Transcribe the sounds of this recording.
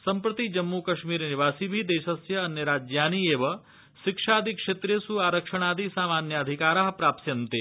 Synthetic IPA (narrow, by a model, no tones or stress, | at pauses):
sɐmpɾɐt̪id͡ʒɐmːukɐʃmiɾniʋaːsibʱid̪eːʃəsjɐɐnːeɾaːd͡ʒjaːnieːʋɐ | ʃɪkʂaːd̪ʱikʂeːt̪ɾesuaːɾəkʂəɳ̃aːd̪isaːmaːnjɐɐd̪ʱikaːɾaɦɐpɾaːpsjɐnt̪e